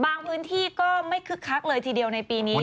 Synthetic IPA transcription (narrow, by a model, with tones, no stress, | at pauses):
baː˧ŋpʰɯː˦˥nt̪ʰiː˥˩kɔː˥˩ma˥˩jkʰɯ˦˥kʰːa˦˥k̚lɤː˧jt̪ʰiː˧di˧əwna˧jpiː˧niː˦˥